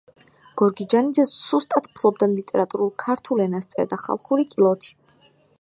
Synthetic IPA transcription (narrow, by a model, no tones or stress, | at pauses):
ɡ̥ɔɾɡid͡ʒanid̪zɛsust̪ʼat̪ʰpʰlˠɔbd̪alit̪ʼɛɾat̪ʼuɾulˠkʰaɾt̪ʰulɛnast̪sʼɛ̰ɾd̪aχa̰lˠχuɾikʼilˠɔt̪ʰi̥